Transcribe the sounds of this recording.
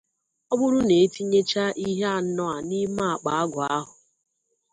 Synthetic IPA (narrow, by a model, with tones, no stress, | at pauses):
ɔ˦bʊ˦ɾʊ˦ne˨e˦ti˦ɲe˦t͡ʃa˦ʔi˦ɦe˦a˨n̩˦nɔ˦a˨ni˦ma˦a˨k͡pa˨a˦ɡʷʊ˨a˦ɦʊ˨